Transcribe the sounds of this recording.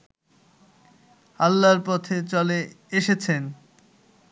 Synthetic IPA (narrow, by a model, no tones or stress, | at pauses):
alːaɾpɔt̪ʰet͡ɕɔle | eʃet͡ɕʰen